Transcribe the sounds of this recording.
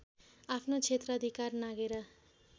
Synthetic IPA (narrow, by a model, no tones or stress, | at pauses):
apʰnot͡sʰet̪rʌʌd̪ʱikarnaɡeɾʌ